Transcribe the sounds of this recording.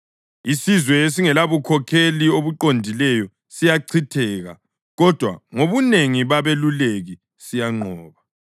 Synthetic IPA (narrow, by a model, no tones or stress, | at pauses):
isizwɛes̬iŋɛlaβukʰɔkʰelioβuǃondʱilɛjɔ | sijaǀʰitʰɛːɣa̰ | ɣɔd̥ʱwa̰ŋoβuneŋiβaβeluleɣi | sijaŋ͡ǃʱɔːβa